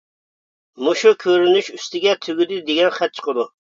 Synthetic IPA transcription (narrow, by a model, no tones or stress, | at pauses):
muʃukʲʰøɾynyʃyst̪ɪɡʲɛt̪ʰyɡʲyd̪ɪd̪eɡʲɛnχɛt̪̚t͡ʃʰə̥qʰəd̪u